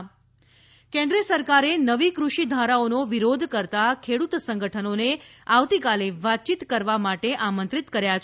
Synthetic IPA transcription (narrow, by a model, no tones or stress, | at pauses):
kɛ̃nd̪ɾiəsəɾkaɾenəʋikɾuʃid̪ʱaɾaonoʋiɾod̪ʱkəɾt̪akʰeɽut̪sə̃ŋɡəʈʰənoneaʋt̪ikaleʋat̪̚ːt͡ʃit̪kəɾʋamaʈeʔamənt̪ɾit̪kəɾjat͡ʃʰ